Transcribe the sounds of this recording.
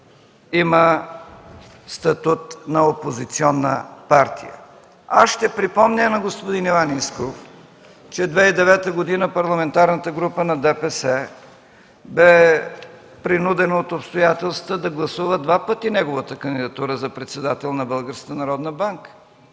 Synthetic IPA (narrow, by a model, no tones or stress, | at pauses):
imə | st̪ɐt̪ut̪nɐopozit̪siɔnːə̰paɾt̪ḭjə̰ | asʃt̪ɛpɾipɔmnʲənɐɡospod̪inivaniskof | t͡ʃɛd̪vɛid̪ɛvɛt̪əɡod̪inəpɐɾlˠɐmɛnt̪aɾnət̪əɡɾupənɐd̪ɛpɛsɛ | bɛ | pɾinud̪ɛnoot̪opst̪ojat̪ɛlˠst̪əd̪ɐɡlˠɐsuvəd̪vapət̪inɛɡovət̪əkənd̪id̪ɐt̪uɾəzɐpɾɛt̪sɛd̪at̪ɛlˠnɐbɤlˠɡəɾskət̪ənɐɾɔd̪nəbaŋkə̥